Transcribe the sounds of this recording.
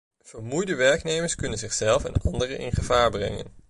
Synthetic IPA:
v̥əɹmujdəʋɛɹknejməɹskɵnənzɪχsɛlˠfɛ̰nɑndərəʔɪ̰nχəv̥aːɹbrɛ̰ŋə̰n

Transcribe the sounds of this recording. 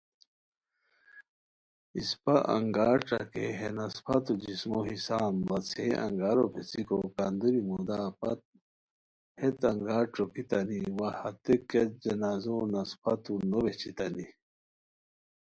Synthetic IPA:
ispaʔa̰ŋɡaːʈ͡ʂa̰kḛɦenɐspʰɐt̪ud͡ʑismoɦisaːnbɐt͡sʰeɐ̰ŋɡaɾopʰet͡sikokand̪uɾimud̪aːpɐt̪̚ | het̪ɐŋɡaːʈ͡ʂokit̪ɐniwahɐt̪eket̪̚d͡ʑɐnaːzonɐspɐt̪unobet͡ɕit̪ani

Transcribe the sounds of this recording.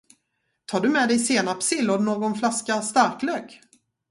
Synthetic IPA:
t̪ʰɑːɖɵmɛd̪ɛjseːnapsɪlːɔd̪noːɡɔnflaskast̪aɾkløːɡ

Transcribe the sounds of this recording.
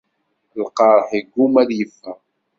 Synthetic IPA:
lqɑɾˤħiɡːumæɾjəfːæ

